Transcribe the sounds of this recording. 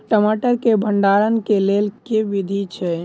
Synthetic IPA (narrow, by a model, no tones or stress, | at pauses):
ʈəmaʈəɾkebʱəɳɖaɾənkelelkeʋid̪ʱit͡ʃʰɛ